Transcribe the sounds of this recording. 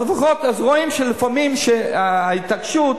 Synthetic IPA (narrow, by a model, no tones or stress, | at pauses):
lefaχo̞t̪azʁo̞imʃelifamimʃeait̪akʃut